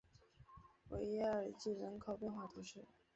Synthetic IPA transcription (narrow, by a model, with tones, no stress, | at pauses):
wʔḛ˧˥ɪɛ˥ə˨˩t͡ɕi˥˩ɻə˧˥nkʰɑ˨˩ʊpjɛ˥˧nxwa˥˩t̪ʰu˧˥ʂɻ̩˥˩